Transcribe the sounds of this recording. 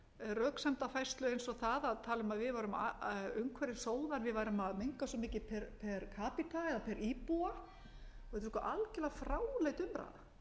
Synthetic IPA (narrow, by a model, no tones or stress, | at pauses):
rœːksɛmt̪afajst̪lœejnsɔɣθaðaðt̪ʰaːlʏmaðvɪðvaɾʏma̰ʏmkʰvɛɾɪ̥soːwðaɾvɪðvaːjɾʏmaðmeŋkasɔmɪːcɪpʰɛɾpʰɛɾkʰaːpit̪ʰaɛðapʰɛɾʔipua | ɔɣɛt̪ːɾɪ̥skɔʔalcɪlafɾaːwlejt̪ʏmɾa̰ːða